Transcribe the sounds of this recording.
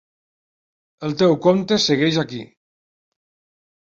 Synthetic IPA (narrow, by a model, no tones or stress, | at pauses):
əlˠt̪ewkomt̪esəɣɛʒaki